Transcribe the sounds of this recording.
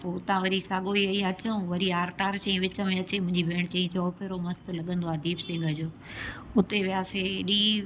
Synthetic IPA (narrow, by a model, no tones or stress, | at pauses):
poːʊt̪ãʋɐɾisaːɠoiɐiɐt͡ɕəũʋɐɾiaːɾt̪aːɾt͡ɕɐ̃ĩʋɪt͡ɕəmẽɐt͡ɕemʊ̃ɦɪ̃ɲd͡ʑibʱeːɽ̃t͡ɕɐ̃ĩt͡ɕɔːpʰeɾomɐst̪lɐɠə̃nd̪oaːd̪iːbsẽːɡʱɐd͡ʑoː | ʊt̪eʋijaːseɗiː